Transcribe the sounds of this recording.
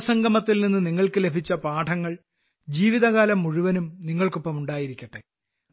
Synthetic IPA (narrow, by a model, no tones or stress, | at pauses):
sɐŋɡɐmɐt̪ːilninːɨniŋːɐɭkɨle̞bʱit͡ɕːɐpaːʈʰɐŋːɐɭ | d͡ʑiːʋiðɐɣaːlɐmːuɻuʋɐnumniŋːɐɭko̞pːɐmuɳɖaːjiɾikʲːɐʈːe